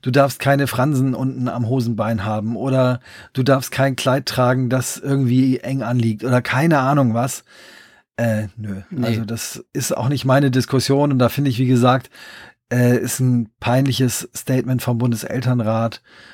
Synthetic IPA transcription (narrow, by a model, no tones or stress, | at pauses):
d̥uːdaɐfst̚kʰaɪnəfʁ̥anzn̩ʔʊntn̩a̰mɦoːzn̩baɪnɦaːbm̩ʔoːɾɐd̥uːdaɐfst̚kʰaɪnkʰl̥aɪtːʁ̥aːɡŋ̩dasʔɪɐɡŋ̩tv̥iːʔɛŋʔanliːk̚tʔoːdɐkʰaɪnəʔaːnʊŋvas | ʔɛːnøʔalzodasʔɪsta̰ʊxnɪçtmaɪnədɪskʰʊsjoːnʊntd̥aːfɪndəɪçv̥iːɡəzaːk̚tʔɛːʔɪstn̩pʰaɪnlɪçəsːtɛɪtmɛntfɔmbʊndəsʔɛ̰ltɐnʁaːt